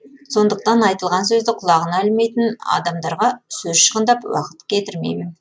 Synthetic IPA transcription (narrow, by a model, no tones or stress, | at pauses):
so̞nd̪əq̚t̪ɑnɑjt̪əlˠʁɑns̬ɵzd̪ɪqʰʊlˠɑʁənɑlme̞jt̪ɪnɑ̰d̪ɑmd̪ɑɾʁɑsɵzʃə̥ʁənd̪ɑpwɑ̰qə̥t̪kʲʰe̞t̪ɪɾmḛjmɪn